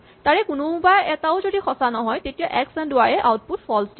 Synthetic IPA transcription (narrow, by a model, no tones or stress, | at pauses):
taɹɛkʊnʊbaɛtaʊzodixɔsanɔɦɔjtetijaʔɛksɔndʊwaɹɛʔawt̚putfʰɔlsdi